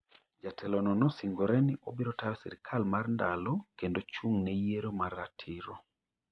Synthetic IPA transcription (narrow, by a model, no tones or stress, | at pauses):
d͡ʒatʰɛlɔnɔnɔsiŋɡɔɾɛniʔobiɾɔtaɾɛsḭɾɪkʰalmarndalɔkendot͡ʃuŋnɛjeɾomaɾatʰɪɾɔ